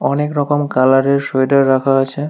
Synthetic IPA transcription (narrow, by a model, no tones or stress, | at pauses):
ɔnekɾɔkomkalaɾeɾʃojdaɾːakʰaat͡ɕʰe